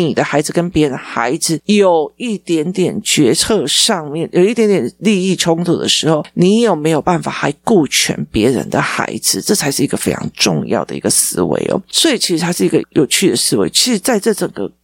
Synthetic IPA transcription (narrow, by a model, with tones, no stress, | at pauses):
ni˨˩d̪ə˦xa˧˥ɪd͡z̩˨˩kə˦npjɛ˧˥ɻə˧˦nxa˧˥ɪd͡zɹ̩˨jo˨˩ʊi˥˩t̪jɛ˧˥nt̪jɛ˨˩nt͡ɕɥɛ˧˥t͡sʰɤ˥˧ʂɑ˥˧ŋmjɛ˥˨njo˨ʊi˥˩t̪jɛ˧˥nt̪jɛ˨˩nli˥˧i˥˩ʈ͡ʂʰʊ˥ŋt̪ʰu˨˩d̪ə̰˨ʂɻ̩˧˥xo˥˩ʊni˨˥˦jo˨˩ʊme˧˥ɪjo˨˩ʊpa˥˩nfa̰˨˩xa˧˥ɪku˥˩t͡ɕʰɥɛ̰˧˥npjɛ˧˥ɻə̰˧˦nd̪ə̰˨xa̰˧˥ɪd͡zɹ̩˨ʈ͡ʂɤ˥˩t͡sʰa˧˥ɪʂɻ̩˥˩i˧˥ɡ̥ə˧˩fe˥ɪʈ͡ʂʰɑ̰˧˥ŋʈ͡ʂʊ̰˥˧ŋjɑ̰˥˩ʊd̪ə̰˩ḭ˧˥ɡə˧sɹ̩˥wḛ˧˥ɪo̰˨˦swɔ˧˥i˨˩t͡ɕʰi˧˥ʂɻ̩˧t̪ʰa˥ʂɻ̩˥˩i˧˥ɡə̰˧jo˨˩ʊt͡ɕʰy˥˩d̪ə˩sɹ̩˥we˧˥ɪt͡ɕʰi̥˧˥ʂɻ̩˧˥t͡sa˥˧ɪʈ͡ʂɤ˥˩ʈ͡ʂə˨˩ŋɡə̰˦